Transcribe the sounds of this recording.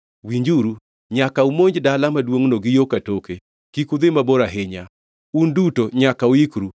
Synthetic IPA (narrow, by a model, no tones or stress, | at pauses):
wiɲd͡ʒuɾu | ɲakaumoɲd͡ʒdalamadwoŋnoɡɪjokatoke | kikud̪ɪmaboɾaɦɪɲa | undutoɲakauikɾu